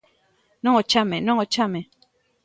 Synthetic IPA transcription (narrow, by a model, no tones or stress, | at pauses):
nɔ̃ot͡ʃamenɔ̃ŋot͡ʃame